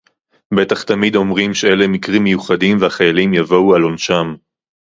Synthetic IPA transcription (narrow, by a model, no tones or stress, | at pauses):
be̞t̪aχt̪amid̪o̞mʁimʃee̞le̞mikʁimːejuχad̪imvehaχajalimjavo̞ualo̞nʃam